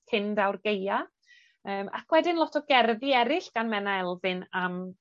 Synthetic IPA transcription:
kʰɪndawrɡeja | əːma̰kʰwɛdɪnlˠɔtʰɔɡɛrðɪɛɾɪɬɡ̥anmɛnaɛlˠvɪnam

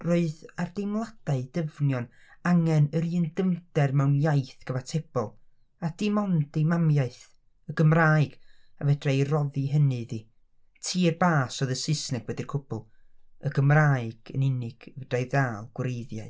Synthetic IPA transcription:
roɨðardejmlˠad̥aɨdəvnjɔnaŋɛnəɾiːndəmd̥ɛrmɛwnjajθɡ̥əvatʰeb̥ɔlˠ | ad̥imɔndimamjaɨθ | əɡ̥əmraːɨɡ̥avɛdrajrɔðiɦənɨði | tʰiːərbaːsɔðəsɨsnɛɡ̥wɛdirkʰʊb̥ʊlˠəɡəmraːɨɡ̥ə̰nɪnɨɡ̥vəd̥ajðaːlˠɡ̥wɾejðjaɨ

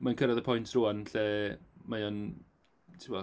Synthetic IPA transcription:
mankʰəɾaðəpʰɔjntʰruːanɬɛːmajɔn | tʰɪmɔ

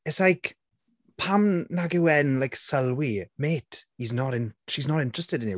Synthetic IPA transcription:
ɪtslajk | pʰamnaɡəwɛnlajksəlwimeːtʰiznəɾɪ̃nʃiznəɾɪ̃ntɹ̥əstɪdɪ̃ni

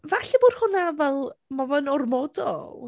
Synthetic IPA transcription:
vaɬɛboːd̥hʊnavɛlˠmɔbɔnɔrmɔdɔ̰

